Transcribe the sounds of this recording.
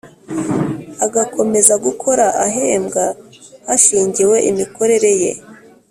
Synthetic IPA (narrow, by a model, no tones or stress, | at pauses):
aɡakʰo̞me̞zaɡukʰo̞ɾaʔaɦe̞ːmɡahaʃiːɲɟiwe̞ʔimiko̞ɾe̞ɾe̞je̞̰